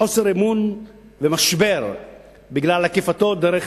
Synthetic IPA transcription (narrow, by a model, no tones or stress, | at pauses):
o̞se̞ɾemun | vemaʃbe̞ʁ | biɡlalhakefat̪o̞d̪eɾeχ